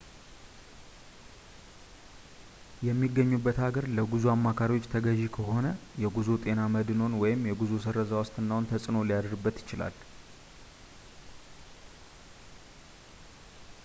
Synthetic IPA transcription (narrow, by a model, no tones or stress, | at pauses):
jɛmːiɡːəɲːubːət̪haɡəɾləɡuzuamːakʰaɾiwo̞t͡ʃːt̪ʰəɡəʒikʰəɦo̞nəjɛɡuzut̪ʼe̞naməd̪no̞nwɔjɪmjɛɡuzus̬əɾəzawɔst̪ʼɨnːawʊnt̪ʰəsʼɨno̞lijad̪ɾɨbːət̪jɪt͡ʃɪla̰l